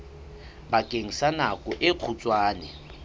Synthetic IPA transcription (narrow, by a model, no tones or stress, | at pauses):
bakʼeŋ̩sanakʼɔʔɪq͡χʰut͡sʼwaːnɛ